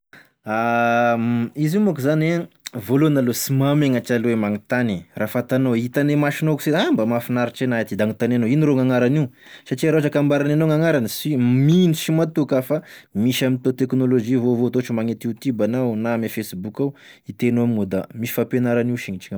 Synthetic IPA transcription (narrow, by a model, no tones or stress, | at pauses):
a | izimakuzane | volonalosimameŋat͡ʃalemaŋit̪anirafat̪anoit̪anemaʃinokuseambəmafinaɾiʈ͡ʂenaat̪id̪aŋit̪ananoiniɾoŋaŋaɾaniw | saʈ͡ʂiɾaaʈ͡ʂakambaɾananoŋaŋaɾanisiminiʃimat̪ukafamiʃamint̪ot̪eknolod͡ʒivovot̪oʈ͡ʂimaŋet̪ut̪ubanawnamefesibukawit̪enoaminod̪amiʃi̥fapenaɾaniuʃiɲit͡ʃiŋ